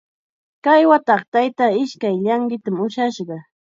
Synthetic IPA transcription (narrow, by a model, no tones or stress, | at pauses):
kajwat̪ɑχt̪ajt̪aɪʃkajʎɑŋɡɪt̪amʊʃaʃɢɑ